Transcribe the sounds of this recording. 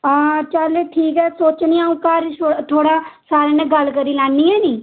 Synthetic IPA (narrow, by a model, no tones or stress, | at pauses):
aːt͡ʃəleʈʰiːkɛːsoːt͡ʃniːaːũːkaːɾsot̪ʰoːɽaːsaːɾẽːnẽːɡəlkəɾiːlaːnːiːɛːniː